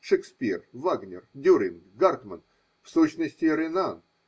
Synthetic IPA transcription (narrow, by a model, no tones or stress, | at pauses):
ʂɨkspʲirvaɡnʲɪrd̪ʲuɾʲɪnɡart̪mən | fsuɕnəsʲtʲɪɾʲɪnan